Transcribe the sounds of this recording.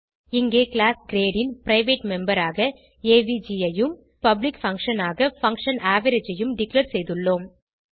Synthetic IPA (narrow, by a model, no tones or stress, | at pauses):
ɪŋɡeːkɭaːsɡɾeːɽɪnpɾɐɪʋeːʈmɛmbɐɾaːɣɐ | eːʋid͡ʒiɐjɯm | pɐblɪkfɐŋkʂɐnaːɣɐfɐŋkʂɐnaːʋɐɾɐd͡ʒɐjɯmɖɪklɐɾsɛjðɯɭːoːm